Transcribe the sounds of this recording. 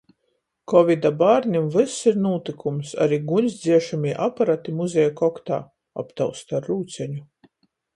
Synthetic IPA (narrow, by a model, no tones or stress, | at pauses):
kɔvid̪abaːɾnʲimvɨsiɾnuːt̪ikumsa̰ɾiːɡuɲʲsd̪zʲiɛʃamiɛʔapaɾat̪imuzʲɛjakɔkt̪a̰ː | a̰pt̪awst̪aɾːuːt̪sʲɛɲu